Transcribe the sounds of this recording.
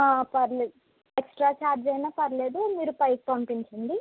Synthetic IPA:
apɐɾled | eksʈɾaːt͡ʃaːɾd͡ʒɐjnaːpɐɾleːd̪umiːɾupɐjk̚pɐmpiɲt͡ʃɐɳɖi

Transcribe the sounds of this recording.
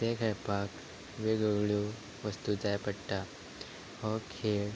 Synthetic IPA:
t̪ekʰəjpak | ʋeɡəɡɭu | ʋəst̪ud͡zajpəɽʈa | hɔkʰeːɭ

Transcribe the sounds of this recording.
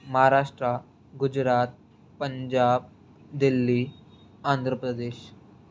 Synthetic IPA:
məɦaɾaʂʈɾa | ɡud͡ʑɾaːt̪̚ | pəɲd͡ʑab̚ | d̪ilːiː | ãːnd̪ʱɾəpɾəd̪eːɕ

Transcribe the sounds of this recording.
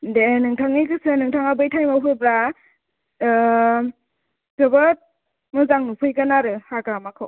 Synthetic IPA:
denɯŋtʰaŋikɯsɯnɯŋtʰaŋabɯjtʰajmawɦɯbɾa | zɯbɯt̚ | mɯzaŋnupʰɯjɡanaɾɯhaɡɾamakʰɯw

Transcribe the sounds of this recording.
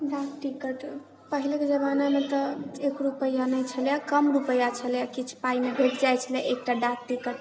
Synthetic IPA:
ɖakʈikəʈ | pəɦileked͡ʒəβanamet̪ɔekɾupəjːanəjt͡ʃʰəljakəmɾupəjat͡ʃʰəljakit͡ʃʰpaimebʱeʈd͡ʒajt͡ʃʰəljɛʔek̚ʈaɖak̚ʈikəʈ

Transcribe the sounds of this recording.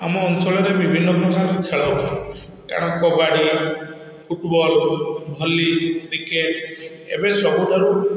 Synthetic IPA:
a̰mɔɔnt͡ʃɔɭɔɾebibʱinːɔpɾɔkʰakikʰeɭɔɦbɔ | kḛɽ̃ɔkɔbaɽi | pʰuʈbɔlbʱɔlːikɾikeʈ | ḛbesɔbud̪ʱɔɾu

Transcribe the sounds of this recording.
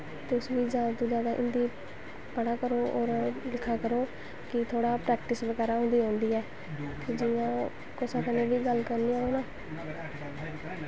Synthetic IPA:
t̪sʋiːd͡ʒaːt̪ũːd͡ʒaːd̪aːʔɪnd̪iː | pəɽaːkəɾoːɔ̰ːɾlɪkʰːaːkəɾoː | kɪt̪ʰoːɽaːpɾɛːkʈɪsʋəɡɛːɾaːɦʊ̃ːnd̪iːɦõːnd̪iːɛː | p̪ʰeːd͡ʒɪjãː | kʊsãːkəneːʋiːɡəlkəɾniːaːoːnãː

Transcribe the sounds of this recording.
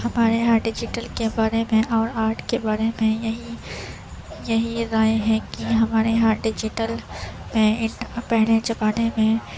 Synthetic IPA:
hɐmaːɾeɦãɖɪd͡ʒɪʈəlkebaːɾemẽʔɔːɾaːʈʰkebaːɾemẽjɐɦi | jɐɦiɾaːeɦɛkiɦɐmaːɾeɦãɖɪd͡ʒɪʈəlmẽɪnpɛɦlet͡ʃɐpaːnemẽ

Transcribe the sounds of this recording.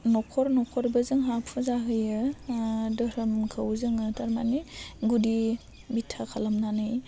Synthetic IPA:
nɔkʰɔɾnɔkʰɔɾbɯzɯŋɦapʰɯzaɦɯjɯ | dɯɾɯmkʰɯwzɯŋɯtaɾmaniɡudi | bitʰakʰalamnanɯj

